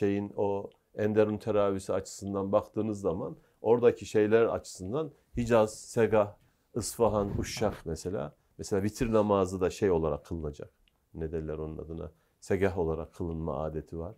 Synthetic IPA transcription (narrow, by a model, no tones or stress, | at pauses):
ʃe̞jino̞ | ɛnd̪eɾumt̪ʰeɾaːvisiat͡ʃʰɯ̥sɯnd̪anbakt̪ʰɯːnɯzːaman | o̞ɾd̪acʰiʃe̞jlʲæɾa̰t͡ʃʰɯ̥sɯnd̪an | hid͡ʒaz̥seɡah | ɯsfaɦanuʃːakmeselʲa̰ː | meselʲaːbit̪ʰiɾnamaːzɯd̪aʃejo̞lˠaɾakʰːɯlˠɯnad͡ʒa̰k̚ | ned̪ænlʲæɾo̞nlˠa̰d̪ɯna̰ | seɡaɦo̞lˠaɾakʰːɯlˠɯnma̰a̰ːd̪e̞t̪ʰivaɾ̥